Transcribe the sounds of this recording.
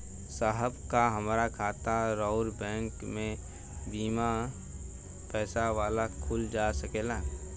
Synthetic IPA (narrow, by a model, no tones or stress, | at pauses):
saɦəbkaɦəmːɾakʰaːt̪aɾɔʊɾbɛ̃ːŋkmẽ | biːma | pɛːsaʋaːlakʰʊld͡ʒaːsəkeːlaː